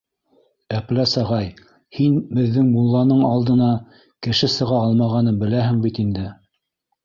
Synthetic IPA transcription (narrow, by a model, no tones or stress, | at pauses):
æplæsɑʁɑj | hinbɘ̆ðːɘŋmulˠːɑnɤɴɑlˠd̪ɤ̆nɑ | kɘ̆ʃɘsɤ̆ʁɑɑlˠmɑʁɑnɤnbɘ̆læɦɘ̆ŋbit̪ind̪ɘ